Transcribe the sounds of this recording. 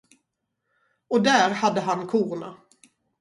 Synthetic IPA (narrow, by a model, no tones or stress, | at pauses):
ɔd̪æːɾhad̪ːəɦankʰuːɾna̰